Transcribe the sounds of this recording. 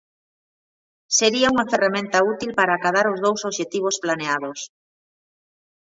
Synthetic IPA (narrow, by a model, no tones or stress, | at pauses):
seɾiauŋaferamẽnt̪aut̪ilpaɾaːkaðaɾozð̞owsoβʃet̪iβ̞osplaneað̞os